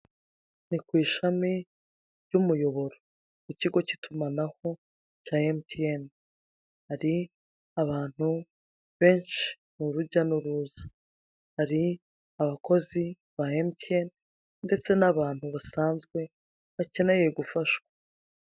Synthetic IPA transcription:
nikwiːʃami | ɾɟumujo̞βo̞ɾo | kuciɡo̞citʰumanaho̞ | caːemtien | haɾi | aβaːn̥hu | βe̞ːnʃi̥ | nuɾuɟanuɾuːzḁ | haɾi | aβako̞zi | βaemtien | nde̞t͡se̞naβaːn̥huβasaːnzɡwe̞ | βace̞ne̞je̞ɡufaʃwḁ

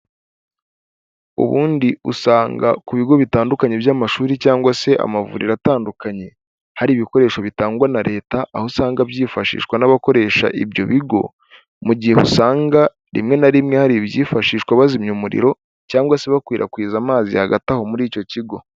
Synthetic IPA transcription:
ṵβuːndiṵsaːŋɡa̰kuβiɡo̞βitaːndukaɲe̞bjaːmaʃuːɾicaːŋɡwase̞ʔa̰mavṵɾḭɾataːndukaɲe̞ | haɾiːβiko̞ɾe̞ːʃo̞βitaːŋɡwanaɾe̞ːtaʔːhosaːŋɡabjiːfaʃḭːʃkwanaβako̞ɾe̞ːʃa̰ʔibjo̞̰βiɡo̞̰ | muɟihe̞βṵsaːŋɡa | ɾḭmŋe̞naɾimŋe̞haɾibjiːfaʃiːʃkwaβazimɲumuɾḭɾo̞ | caːŋɡwase̞βakwiːɾʔa̰kwiːzamaːzḭhaɡataho̞muɾiːco̞ciɡo̞

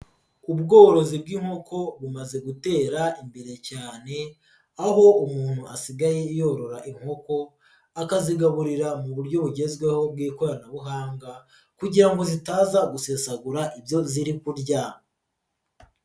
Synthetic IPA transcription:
uβɡoːɾo̞zibɡiːŋho̞ko̞βumaze̞ɡute̞ːɾaimbe̞ɾe̞caːne̞ | aɦo̞umuːn̥huasiɡaje̞ijo̞ɾo̞ɾaʔiŋho̞ko̞ | akaziɡaβuɾiɾamuβuɾɟo̞βuɟe̞zɡwe̞ho̞b̚ɡiːkoɾanaβuɦaːŋɡa | kuɟiɾaŋɡo̞zitaːzaɡusesaɡuɾaʔibjo̞ziɾikuɾɟa

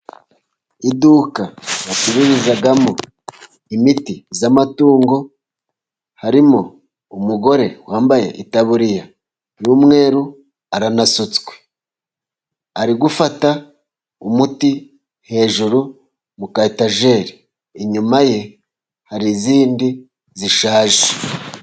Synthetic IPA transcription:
idukajatiɾiɾizaɡamo | imitizamatuːŋɡo̞ | haɾimo̞ | umuɡo̞ɾe̞waːmbaje̞̰ʔitaβuɾija | numŋe̞ːɾu | aɾanasut͡sɡwe̞̥ | aɾiɡufata | umuti | he̞ʒuɾu | mukaitaʒe̞ɾiː | ɲumaje̞ | haɾiziːndi | ziʃaːʒe

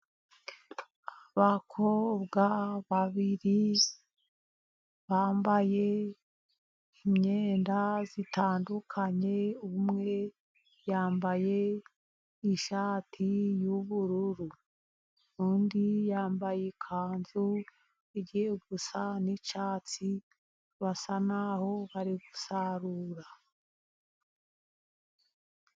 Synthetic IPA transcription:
aβakʰobɡaβaβiɾi | βaːmbaje̞ | imɲeːndazitaːndukʰaɲe̞uumŋe̞ | jaːmbaje̞ː | ʃaːtʰijuβuɾuɾu | undijaːmbajekʰaːnzu | iɟieɡusanit͡ʃaːt͡si | βasanaho̞βaɾiɡusaɾuɾa

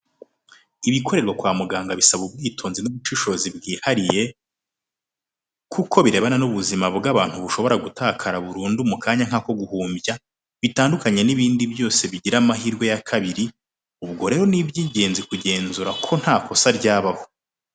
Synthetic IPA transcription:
iβikʰo̞ɾe̞ɾɡakwaːmuɡaːŋɡaβisaβub̚ɡiːtʰo̞ːnzinuβut͡ʃiʃo̞zibɡiːhaɾije̞ | kʰukʰo̞βiɾe̞βananuβuzimabɡaβaːn̥huβuʃo̞βo̞ɾaɡutaːkʰaɾaβuɾuːndumukʰaːɲaŋ̥ako̞ɡuhuːmbja | βitaːndukaɲe̞niβiːndibjo̞ːse̞βiɟiɾamaɦiːɾɡwejakʰaβiɾi | uβɡo̞ɾe̞ːɾo̞nibjiːɲɟe̞ːnzikuɟe̞ːnzuɾakʰo̞n̥haːkʰo̞saɾɟaːβaho̞

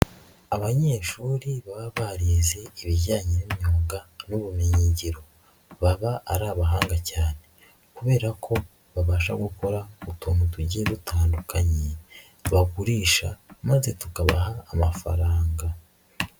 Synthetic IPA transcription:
aβaɲe̞ːʃuːɾiβaβaβaɾeze̞iβiɟaːɲinimoːŋɡanuβumiɲiɲɟiɾo̞ | βaβaːɾaːβaɦaːŋɡacaːne̞ | kuβe̞ːɾakʰo̞ | βaβaːʃaɡuko̞ɾautʰoːnutuɟiedutaːndukaɲe | βaɡuɾiːʃamaze̞tukaβa̰haːmafa̰ɾaːŋɡa

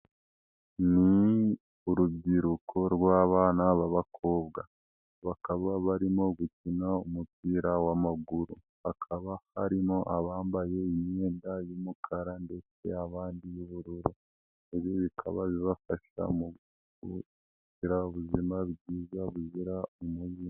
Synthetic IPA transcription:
ni | uɾubɟiɾukʰo̞ɾɡwaːβaːnaβaβakʰo̞ːbɡa | βakaβaβaɾimo̞ɡucinaumupiːɾawamaɡuɾu | βakʰaβahaɾimo̞ʔaβaːmbaje̞iɲeːndajomukʰaɾande̞t͡se̞̰aβaːndijuβuɾuɾu | eβjoβikʰa̰βaβiβafaʃa̰mu | u | ciɾauβuzimaβɟiːzaβuziɾaumuji

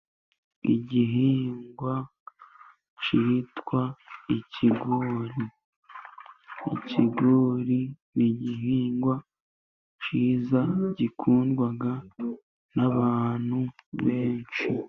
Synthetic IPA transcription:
ḭɟiɦiːŋɡwa | t͡ʃitwaiciɡoːɾi | ḭciɡoːɾi | niɟiɦiːŋɡwa | t͡ʃiːzaɟikʰuːndɡwaɡa | naβaːn̥huβe̞ːnt͡ʃi

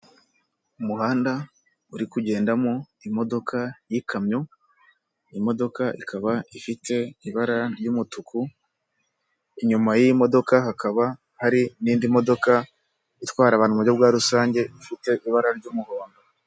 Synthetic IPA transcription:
umuhaːnda | uɾikuɟe̞ːndamoimo̞do̞kʰajikʰamɲo | imo̞do̞kaʔikʰaβaifite̞iβaɾaɾɟuːmutuku | iɲumajimo̞do̞kahakaβa | haɾiniːndimo̞do̞ka | itwaːɾaβaːnumuɾɟobɡwaːɾusaːɲɟe̞ifite̞ʔiβaɾaɾɟuːmuhoːndo

